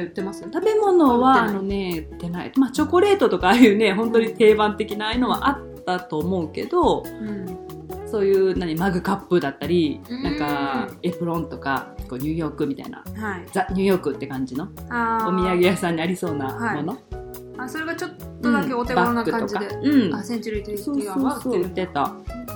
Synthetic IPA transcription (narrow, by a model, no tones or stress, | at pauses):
t̪ːemast̪abe̞mo̞no̞βaːno̞ne̞ɯt̪ːe̞naḭmat͡ɕo̞ko̞ɾe̞ːt̪o̞t̪o̞kaːjɯ̟ːne̞ɦõ̞nt̪o̞ɲ̟it̪e̞ːbãnt̪e̞kʲinaɯno̞βa̰ʔat̪ːat̪o̞ːmo̞ɯ̟ke̞d̪o̞ | so̞ːjɯːnãɲ̟imaɡɯ̟kapːɯ̟d̪at̪ːaɾʲinãŋkae̞pɯ̟ɾõ̞nt̪o̞ka̰ko̞ːɲ̟ɯ̟ːjo̞ːkɯ̟mʲit̪a̰ḭna̰had͡zaɲ̟ɨ̟ːjo̞ːkɯ̟t̪ːe̞kãɲ̟d͡ʑino̞aomʲiaɡe̞jasãɲ̟ːiaɾʲiso̞ːnahmo̞no̞ | asoɾe̞ɡat͡ɕot̪ːoɯ̃d̪akeot̪ebanakːɯkãoikaeɯ̟̃ɴasẽɲt͡ɕiɾɯit̪esooːsoːit̪ːe̞t̪a̰